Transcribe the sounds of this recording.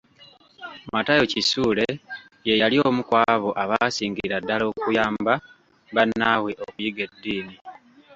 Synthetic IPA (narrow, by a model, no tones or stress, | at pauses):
matajo̞cisuːle̞ | je̞jaliomukwaːβo̞ʔaβaːsiːŋɡiɾadːalo̞ːkujaːmba | βanːawe̞ʔoβujiɡedːiːni